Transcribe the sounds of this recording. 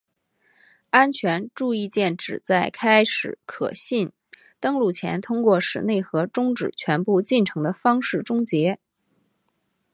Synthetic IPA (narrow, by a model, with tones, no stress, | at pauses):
a˥nt͡ɕʰɥɛ˧˥nʈ͡ʂu˥˧i˥˧t͡ɕjɛ˥˩nʈ͡ʂɻ̩˨˩t͡sa˥˩ɪkʰa˥ɪʂɻ̩˨˩˦kʰɤ̰˨˩ɕi˥˩n | t̪ɤ˥ŋlu˥˩t͡ɕʰjɛ̰˧˥nt̪ʰʊ˥ŋkwɔ˥˩ʂɻ̩̰˨˩ne˥˩ɪxɤ˧˥ʈ͡ʂʊ˥ŋʈ͡ʂɻ̩˨˩t͡ɕʰɥɛ˧˥npu˥˧t͡ɕi˥˩nʈ͡ʂʰɤ˧˥ŋd̪ə˧fɑ˥ŋʂɻ̩˥˩ʈ͡ʂʊ˥ŋt͡ɕjɛ˧˥